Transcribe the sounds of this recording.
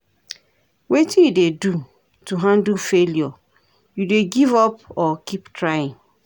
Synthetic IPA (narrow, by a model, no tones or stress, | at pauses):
wetijudedu | tuɦãndufeljɔ | judeɡivɔpɔkiptʰɹaɪĩŋ